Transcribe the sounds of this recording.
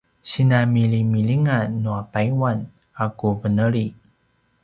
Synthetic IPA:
sinamilimiliŋanuapaiwan | akuvənəɾi

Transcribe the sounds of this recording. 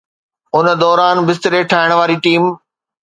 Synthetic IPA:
ʊnə̆d̪ɔːɾaːnbɪs̬t̪ɪɾeʈʰaːɪɽ̃ʋaːɾiʈiːm

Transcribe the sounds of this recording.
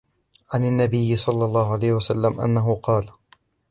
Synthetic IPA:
ʕanɪnːabɪjːɪsˤɑlːɑlˤːɑːʊʕalajhɪwasalːamʔa̰nːaɦʊqɑːl

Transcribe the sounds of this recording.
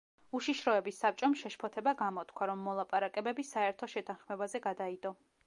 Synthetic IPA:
uʃiʃɾɔɛbisːap̚t͡ʃʼɔmʃɛʃpʰɔt̪ʰɛbaɡamɔt̪kʰwaɾɔmːɔlˠapʼaɾakʼɛbɛbisaɛɾt̪ʰɔʃɛt̪ʰanχmɛbazɛɡad̪aid̪ɔ

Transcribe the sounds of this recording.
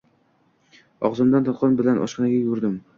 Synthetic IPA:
ɒʁzɨmd̪ant̪ʰɒt̪̚qʰɒnbɪlanʔɒ̰ʃqɨnaɡʲajʊɾd̪ɪm

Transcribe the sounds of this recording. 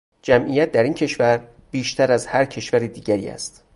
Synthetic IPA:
d͡ʒæmʔijæt̪̚d̪æɾiːncʰe̞ʃvæɾ | b̥iːʃt̪ʰæɾæzhæɾcʰe̞ʃvæɾiːd̪iːɟæɾḭːæ̰st̪

